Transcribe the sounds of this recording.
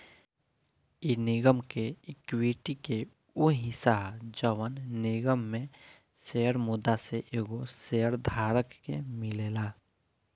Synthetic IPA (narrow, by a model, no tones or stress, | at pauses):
inɪɡəmkeɪkwiʈike | uɦisaɦd͡ʒəʋənnɪɡəmːẽ | seːəɾmʊd̪aseʔeːɡoseːəɾd̪ʱaːɾəkːemɪleːlaː